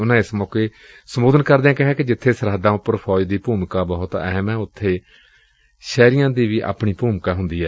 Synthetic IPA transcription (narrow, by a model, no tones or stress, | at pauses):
ʊnãːɪsmɔːkeː | səmoːd̪ənkəɾd̪eãːkɪɦɛ̃ːkɪd͡ʒɪt̪ʰːeːsəɾɦəd̪ãːʊpːəɾpʰɔːd͡ʒd̪iːpuːmkaːbəɦʊt̪ɛ̰ɦmɛ̃ːʊt̪ʰːeː | ʃɛːɾɪjãːd̪iːʋiːʔa̰ːpɳiːpuːmkaːɦʊnd̪iːɛː